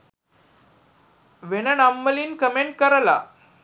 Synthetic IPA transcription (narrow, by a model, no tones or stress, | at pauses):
ʋenənamːəliːnkəmeɳʈ̚kəɾla̰